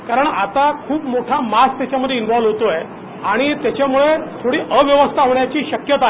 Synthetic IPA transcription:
kaɾəɳat̪akʰuːpmoʈʰamast̪jat͡ɕjaməd̪ʱːjeinʋɔʋlɦot̪oj | aɽ̃it̪jat͡ɕamuɭet̪ʰoɽiːʔəʋjəʋəst̪ʰaɦoɳjat͡ɕiːɕəkjət̪aɦe

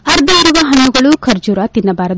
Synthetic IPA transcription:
ɐɾd̪ʱɐiɾuʋɐɦɐnːuɡɐɭukʰɐɾd͡ʒuːɾat̪inːɐbaːɾɐd̪

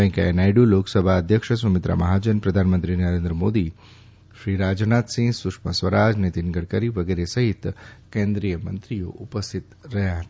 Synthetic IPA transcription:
pə̃j̃ŋkeḛnajɖuloksəbʱaəd̪ʱjəkʃəs̬ʋəmɪt̪ɾa̰mɐɦad͡ʒənpɾəd̪ʱanmə̃nt̪ɾinəɾend̪ɾəmod̪i | ʃɾiɾad͡ʒnat̪sĩŋɡsukʂmə̰sʋəɾad͡ʒnet̪inɡəɽkəɾiʋəɡeɾesəɦit̪kẽnd̪ɾijəmə̰nt̪ɾijo̰ʔupəst̪ʰit̪ɾəɦjaɦət̪a

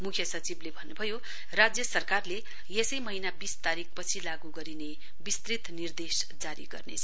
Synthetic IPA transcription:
mukʰjʌsʌt͡siblebʱʌnːubʱʌjo | rad͡zjʌsʌrkarle | jesʌjmʌɦinabist̪aɾik̚pʌt͡sʰilaɡuɡʌɾine | bist̪rit̪nird̪es | d͡zaɾḭɡʌ̰rnḛt͡sʰʌ

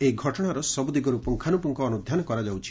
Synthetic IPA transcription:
eɡʱɔʈɔɽ̃aɾɔsɔbud̪iɡɔɾupɔŋkʰanupɔŋkɔːnud̪ʱjanɔkɔɾad͡ʒawt͡ʃʰi̥

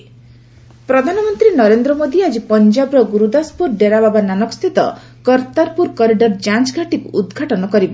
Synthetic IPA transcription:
pɾɔd̪ʱanɔmɔnt̪ɾinɔɾend̪ɾɔmod̪iad͡ʒipɔnd͡ʒabɾɔɡuɾud̪aspuɾɖeɾababananɔkɔ̥st̪ʰit̪ɔ̰ | kɔɾt̪aɾpuɾkɔɾiɖɔɾd͡ʒat͡ʃɡʱaʈikṵʔːd̪ɡʱaʈɔnɔkɔɾibɔ

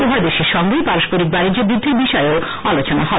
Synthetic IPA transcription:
oɦaɾd̪eʃeɾʃɔŋɡejpaɾoʃpoɾik̚baɾid͡ʑobɾud̪ʱːeɾbiʃɔeo | alot͡ɕonaɦɔ

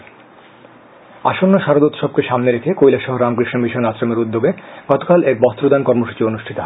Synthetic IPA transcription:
a̰ʃonːoʃaɾod̪ot̪ʃɔb̚keʃamneɾekʰekojlaʃɔɦoɾamkɾiʃnomiʃonasɾameɾud̪ːoɡeɡ̥ɔt̪o̥kalek̚bɔst̪ɾod̪ankɔɾmoʃu̥t͡ɕionuʃʈʰit̪oɦ

